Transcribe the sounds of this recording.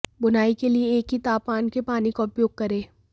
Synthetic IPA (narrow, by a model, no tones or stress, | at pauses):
bʊnaːikelieːkɦit̪aːpmaːnkepaːnikoʊpjoːɡ̚kɐɾẽː